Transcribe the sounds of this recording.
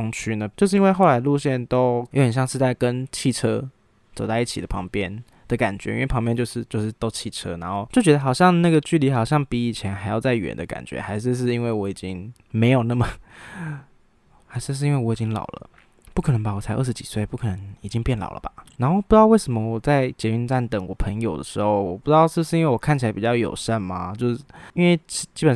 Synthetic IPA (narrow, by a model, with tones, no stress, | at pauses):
ŋt͡ɕʰy˥nə˧t͡ɕjo˥˧ʂ̬̩˥˩˧i˥nwe˥˧xo˥˩ʊa˧˥ɪlu˥˧ɕjɛ˥˩nt̪o˥ʊjxə˨˩n˩ɕjɑ˥˧ŋʂɻ̩˥˧t̪a˥˩ɪkə˦nt͡ɕʰi˥˩ʈ͡ʂʰɤ˦˥ | t͡so˨˩t̪ɑ˥˧i˥˩t͡ɕʰi˨˩ə˦pʰɑ˧˥ŋpjɛ˥˦n | d̪̥ə˨ka̰˨˩nt͡ɕɥɛ̰˧˦ḭ˥nwe˥˩pʰɑ˧˥ŋpjɛ˥˧nt͡ɕjo˥˧ʊʂɻ̩˥˧t͡ɕjo˥˧ʊʂɻ̩˥˩t̪o˥ʊt͡ɕʰi˥˩ʈ͡ʂʰɤ˥na˧˥nxo˥˧ʊt͡ɕjo˥˩t͡ɕɥɛ˧d̪ə˧˩xɑ˨˩ʊɕjɑ˥˧ŋna˥˩ɡə˩t͡ɕy˥˩li˧˥xɑ˨˩ʊɕjɑ˥˩ŋpi˧˥i˨˩t͡ɕʰjɛ˧˥nxa˧˥ɪjɑ˥˧ʊt͡sa˥˩ɪɥɛ̰˨˩nd̪ə̰˦ka̰˨˩nt͡ɕɥɛ̰˧˦xa˧˥ɪʂɻ̩˥˧ʂ̬ɻ̩˥˩i˥nwe˥˩ɪwɔ˧˥i˨˩t͡ɕi˦˥ŋ | me˧˥ɪjo˨˩ʊna˥˩mə˨˩ | xa˧˥ɪʂɻ̩˥˧ʂ̬ɻ̩˥˧i˥nwe˥˩wɔ˧˥i˨˩t͡ɕi˦ŋlɑ̰˨˩ʊlə̰˦ | pu˥˩kʰɤ˨˩nə˧˥ŋba˧˩wɔ˨˩t͡sʰa˧ɪʔə̰˥˩ʂɻ̩˧t͡ɕi˨˩swe˥˩ɪpu˥˩kʰɤ˨˩nə˧˦ŋi˨˩t͡ɕi˦˥ŋpjɛ˥˩nlɑ̰˨˩ʊlʔə̰˦˩ba̰˨˩na˧˥nxo˥˩pu˩ʈ͡ʂ̩˥jɑ˥˧we˥˩ɪʂə˧˥mə˧wɔ˨˩t͡sa˥˩ɪt͡ɕjɛ˧˥y˥˧nʈ͡ʂa˥˩nt̪ə˨˩ŋwɔ˨˩pʰɤ˧˥˦ŋjo˨˩ʊd̪ə̰˦ʂɻ̩˧˦˥xo˥˩ʊwɔ˨˩pu˧˩ʈ͡ʂɻ̩˥ɑ˥˧ʊʂɻ̩˥˩bʂɻ̩˥˧i˥nwe˥˩wɔ˨˩kʰa˥˩nt͡ɕʰi˨la˧˥ɪpi˨˩t͡ɕjɑ˥˩ʊjo̰˨˩ʊʂə˥˩nma˩t͡ɕjo˥˧ʊʂ̩˥˩i˥nwe˥˩ɪt͡ɕt͡ɕi˦˥pə˨˩